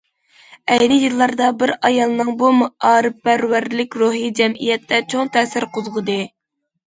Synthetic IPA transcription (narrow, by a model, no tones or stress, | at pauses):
ɛjnɪjɨlˠːɑɾd̪ɑbɪɾɑjɑlˠɨnɨŋbumuɑːɾɨpːæɾwæɾlɪkʲɾuɦid͡ʒɛmijɛt̪ʰːɛt͡ʃʰoŋt̪ʰɛːsɪɾqʰʊzʁɨd̪ɨ